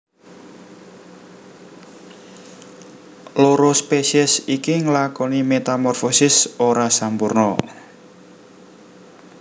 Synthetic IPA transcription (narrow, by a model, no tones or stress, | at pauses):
loɾospesiɛsikiŋlakɔnimet̪amɔrfosɪsoɾasampurnɔ̰